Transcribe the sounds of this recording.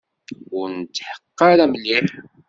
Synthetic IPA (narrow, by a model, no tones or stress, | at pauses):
ʊɾnət̪ːħə̥qːɑɾæmlːiħ